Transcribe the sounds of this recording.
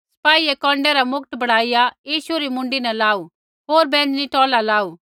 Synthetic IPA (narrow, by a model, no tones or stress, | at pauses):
sɐ̥paːiekɔ̃ːɳɖɛɾamʊk̚t̪bɐɽ̤aːijajiːʃuɾimʊ̃ɳɖinɛlaːu | ɦoːɾbɛ̃ːd͡ʒniʈɔːlalaːuː